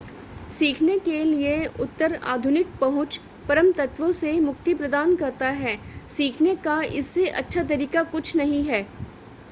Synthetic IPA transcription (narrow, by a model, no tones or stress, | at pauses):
siːkʰnekelieʊt̪ːəɾa̰ːd̪ʱʊnɪk̚pɐɦʊ̃t͡ʃ | pɐɾəmt̪ɐt̪ʋõsemʊkt̪ipɾɐd̪aːnkɐɾt̪aɦɛːsiːkʰnekaɪ̰sːeʔɐ̰tːʃʰat̪̬ɐɾiːkakʊt͡ʃʰnɐɦĩɦɛː